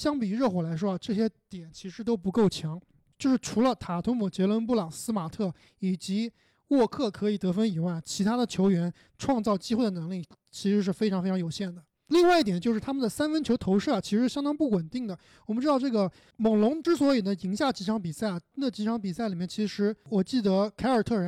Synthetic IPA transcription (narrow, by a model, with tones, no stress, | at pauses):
ɕjɑ˥ŋpi˨˩ɻɤ˥˩xwɔ˨˩la˧˥ɪʂwɔ˥a˧ʈ͡ʂɤ˥˩ɕ̬jɛ˥t̪jɛ˨˩nt͡ɕʰi˧˥ʂɻ̩˧˥t̪o˥ʊpu˧˥ko˥˩ʊt͡ɕʰjɑ˧˥ŋ | t͡ɕjo˥˧ʊʂɻ̩˥˩ʈ͡ʂʰu˧˥lə˧t̪ʰa˨˩t̪ʰʊ˥ŋmu˨˩t͡ɕjɛ˧˥lwə˧˥np̬u˥˩lɑ˨˩ŋsɹ̩˥ma˨˩t̪ʰɤ˥˩ | i˨˩t͡ɕi˧˥ | wɔ˥˧kʰɤ˥˩kʰɤ˧˥i˨˩t̪ɤ˧˥fə˥ni˨˩wa˥˩ɪt͡ɕʰi˧˥t̪ʰa˥d̪ə˨t͡ɕʰjo˧˥ʊɥɛ˧˥n | ʈ͡ʂʰwɑ˥˧ŋt͡sɑ˥˩ʊt͡ɕi˥xwe˥˩ɪd̪ə˩nɤ˧˥ŋli˥˩t͡ɕʰi˧˥ʂɻ̩˧˥ʂ̬ɻ̩˥˩fe˥ɪʈ͡ʂʰɑ˧˥ŋfe˥ɪʈ͡ʂʰŋjo˨˩ʊɕjɛ˥˩nd̪ə˩ | li˥˧ŋwa˥ɪi˥˩jɛ˨˩nt͡ɕjo˥˧ʊʂɻ̩˥˩t̪ʰa˥mə˨nd̪ə˩sa˥nfə˥nt͡ɕʰjo˧˥ʊt̪ʰo˧˥ʊʂɤ˥˩ɐ˩t͡ɕʰi˧˥ʂɻ̩˧˥˩jɑ˥ŋt̪ɑ˥ŋpu˥˩wə˨˩nt̪i˥˩ŋd̪ə˩ | wɔ˨˩mə˧˥ʈ͡ʂɻ̩˥ɑ˥˧ʊʈ͡ʂɤ˥˩ɡə˩ | mɤ˨˩ŋlʊ˧˥ŋʈ͡ʂɻ̩˥swɔ˧˥i˨˩d̪ə˦i˧˥ŋɕja˥˩t͡ɕi˧˥ʈ͡ʂʰɑ˧˥ŋpi˨˩sa˥˩ɪ˩na˥˩t͡ɕi˧˥ʈ͡ʂʰɑ˧˥ŋpi˨˩sa˥˩ɪli˨˩mjɛ˥˩nt͡ɕʰi˧˥ʂɻ̩˧˥wɔ˨˩t͡ɕi˥˩d̪ə˧˥kʰa˧˥ɪə˞˨˩t̪ʰɤ˥˩ɻə˧˥n